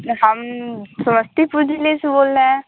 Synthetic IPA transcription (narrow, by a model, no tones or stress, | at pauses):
ɦəmsəməst̪ipuɾd͡ʒilesboːlnaɛ̃